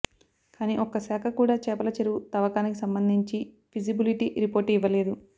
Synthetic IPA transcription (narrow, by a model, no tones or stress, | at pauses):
kaːniːʔɔkɐsaːkʰɐkuːɽaːt͡ʃɛːpɐlɐt͡ʃɐɾut̪ɐʋɐkaːnikisɐmbɐnd̪ʱiɲt͡ʃi | pʰid͡ʒibiliʈiɾipoːɾʈiʋɐleːd̪u